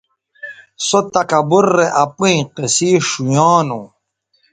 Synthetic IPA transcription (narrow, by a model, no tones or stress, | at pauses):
sot̪ɐkɐbuɾːeʔapũĩqesiːʂujaːnũ